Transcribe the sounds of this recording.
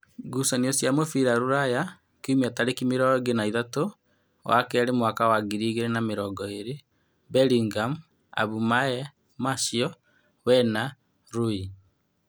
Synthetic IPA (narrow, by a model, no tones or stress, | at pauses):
ɡusɔniɔsjamofiɾaɾuɾaja | kumiataɾekimeɾɔɡenaiðato | wa̰kɛɾemwakawaɡiɾiːɣeɾenameɾɔːɡɔeɾe | bɛɾiŋɡam | a̰βumaɛ | maʃiɔ | wɛna | ɾui